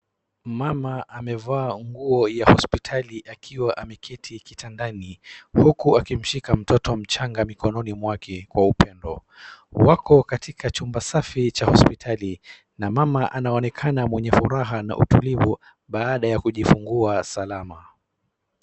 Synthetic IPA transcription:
mamaʔamɛvaːŋɡuɔjahɔspitʰaliʔakʰiwaʔamɛkʰitʰikitʰandanihukuakim̩ʃikam̩tɔtɔm̩t͡ʃaŋɡamikɔnɔnimwakʰɛkwaupɛndɔ̰ | wakɔkatʰikʰat͡ʃumbasafit͡ʃahɔspitʰali | namamaʔanaɔnɛkʰanamwɛɲɛfuɾaɦana̰ʔṵtulivu | ɓaːɗajakuʄifuŋɡuasalama

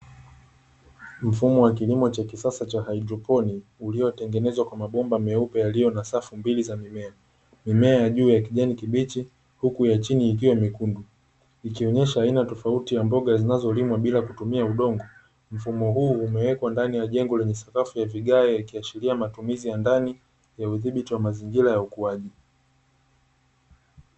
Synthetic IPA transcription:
m̩fumɔwak̬ilimɔt͡ʃakisasat͡ʃahaidɾɔpɔniulijɔtɛŋɡɛnɛzwakwamaɓɔmbamɛupɛjalijɔnasafumbilizamimɛa | mimɛajaʄuːjakiʄanikiɓit͡ʃi | hukujat͡ʃiniːk̬iwamikundu | ikiɔɲɛʃaːinatɔfautijambɔɠazinazɔlimwaɓilakutumiauɗɔŋɡɔ | m̩fumɔɦuːumɛwɛkwandanijaʄɛŋɡɔlɛɲɛsḁkafujaviɠaɛjakiaʃiliamatumizijandani | jauðiɓitiwamaziŋɡilajaukuaʄi

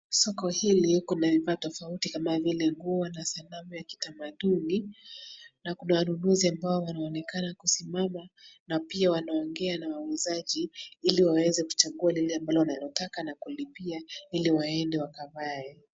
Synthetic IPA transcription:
sɔkɔhiliukɔnavivaːtɔfautikamavilɛŋɡuanasalamujaki̥tamaɗuni | nakunawanunuziambaɔwanaɔnɛkanakusimamanapiawanaɔŋɡɛanawawɛzaʄiiliwawɛzɛku̥t͡ʃaɠualilɛambalɔwanalɔtakanakulipiailiwaɛndɛwakavaɛ

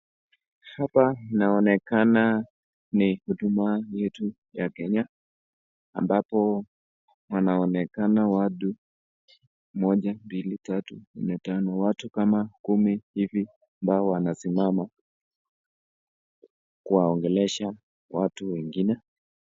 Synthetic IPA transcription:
hapanaɔnɛkana | nihuɗumajɛtu | jakɛɲa | a̰mbapɔ | wanaɔnɛkanawaɗu | mɔʄambilitatunɛtanɔwatukamakumihivi | ambaɔwanasimama | kuwaɔŋɡɛlɛʃa | watuwɛŋɡinɛ

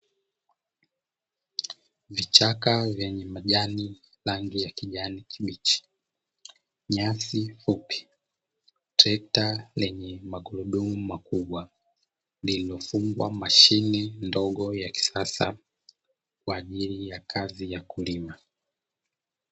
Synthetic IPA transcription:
vit͡ʃakavjɛɲɛmaʄani | laŋɡijakiʄanikʰiɓit͡ʃi̥ | ɲasifupi̥ | tʰɛtalɛɲɛmaɡuluɗumumakuɓwa | lililɔfuŋɡwa̰maʃinɛndɔɠɔjaki̥sasa̰ | kwaːʄilijakʰazijakulima

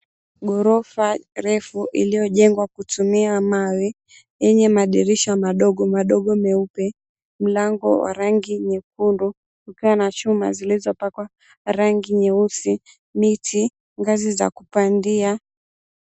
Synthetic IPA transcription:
ɡɔɾɔfaɾɛfuʔilijɔʄɛŋɡwakutumiamawɛ | jɛɲɛmaɗiɾiʃamaɗɔɡɔmaɗɔɠɔmɛupɛ | m̩laŋɡɔ̰wa̰ɾaŋɡiɲɛkundu | kukiwanat͡ʃuma̰zilizɔpakwa | ɾaŋɡiɲɛusi | mitʰi | ŋɡaziza̰kupandia

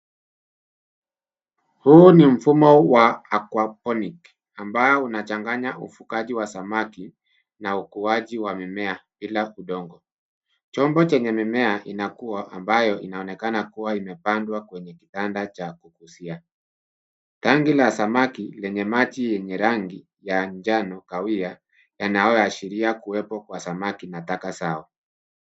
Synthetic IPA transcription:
huːnim̩fumɔwaakwapɔnik | ambaɔunat͡ʃaŋɡaɲaʔufukaʄiwasamaki | naukuaʄiwamimɛaɓilaʔuɗɔŋɡɔ | t͡ʃɔmbɔt͡ʃɛɲɛmimɛaʔinakuaʔambajɔʔinaɔnɛkanakuwaimɛpandwakwɛɲɛki̥tandat͡ʃakukusia | taŋɡilasamakilɛɲɛmat͡ʃijɛɲɛɾaŋɡi | jand͡ʒanɔkawia | janajɔaʃiɾiakuwɛpɔkwasamakinatakasaɔ

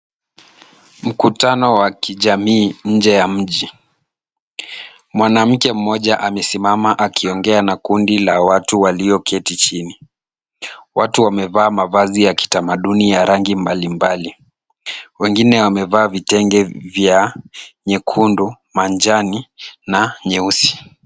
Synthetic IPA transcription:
m̩kutanɔwakʰiʄamiːɲ̩d͡ʒɛjam̩ʄi | mwanam̩kɛm̩mɔʄaʔamɛsimamaʔakiɔŋɡɛanakundilawatuwaliɔkʰɛtit͡ʃini | watuwamɛvaːmavazijaki̥tamaɗunijaɾaŋɡimbalimbali | wɛŋɡinɛwamɛvaːvitɛŋɡɛvjaɲɛkʰundu | mand͡ʒaninaɲɛusi̥

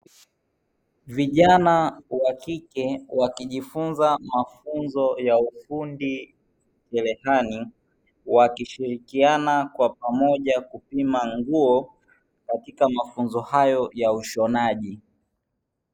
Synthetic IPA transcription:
viʄanawakikɛwakiʄifunzamafunzɔjaufundi | kɛlɛhani | wakiʃiɾikianakwapamɔʄakupimaŋɡuɔ | katikamafunzɔhajɔjauʃɔnaʄi

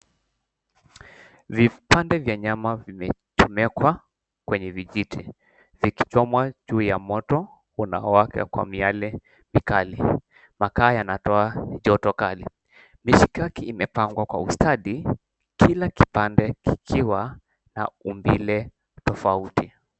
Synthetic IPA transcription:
vipandɛvjaɲamavimɛt͡ʃɔmɛkwa | kwɛɲɛviʄitʰi | viki̥t͡ʃɔmwaʄuːjamɔtɔ | una̰ɔakɛ̰kwa̰mialɛ | mikali | makaːjanatɔaʄɔtɔkalḭ | miʃikakiːmɛpaŋɡwakwa̰ustʰaɗi | kilaki̥pandɛki̥kʰiwa | na̰umbilɛ | tɔfauti

